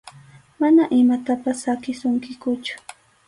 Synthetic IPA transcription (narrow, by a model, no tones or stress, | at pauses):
manaʔɪmat̪apasːakɪsʊŋkɪkʊt͡ʃʊ̥